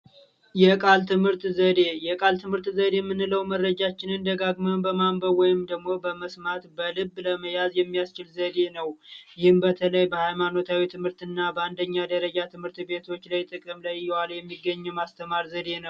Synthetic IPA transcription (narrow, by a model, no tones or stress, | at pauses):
jɛkʼalt̪ʰɨmhɨɾt̪zəd̪e̞jɛkʼalt̪ʰɨmhɨɾt̪zəd̪emːɨnːɨləwmərːəd͡ʒat͡ʃːɪnɨnd̪əɡaɡməwbəmambəwɔjɪmd̪əɡmo̞bəməsmat̪bəlɨbːləməjazjɛmːijast͡ʃɪlzəd̪e̞nəwjɪhɨmbət̪ʰələjbəhajmano̞t̪ʰawit̪ʰɨmhɨɾt̪ɨnːabəand̪əɲːad̪əɾəd͡ʒat̪ʰɨmhɨɾt̪be̞t̪ʰo̞t͡ʃːlajt̪ʼɨkʼɨmlajːɛwaljɛmːiɡːəɲːɨmast̪ʰəmaɾzəd̪e̞nəww